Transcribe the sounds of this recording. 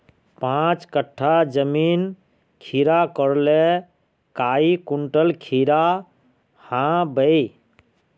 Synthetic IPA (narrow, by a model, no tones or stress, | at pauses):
pãt͡ʃkəʈʰːad͡ʒəmin | kʰiɾakəɾle | kaikuɳʈəlkʰiɾa | hãbəj